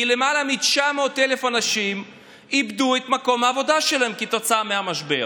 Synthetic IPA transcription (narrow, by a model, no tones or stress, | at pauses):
ile̞malamit͡ʃamo̞t̪ele̞fanaʃim | ibd̪uet̪mako̞mhaːvo̞d̪aʃelahemkit̪o̞t͡saameamaʃbḛ